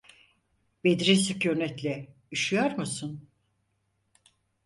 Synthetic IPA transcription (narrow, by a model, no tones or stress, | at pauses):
bed̪iɾisɯcønɛt̪lʲɛ | yʃyjoɾmusun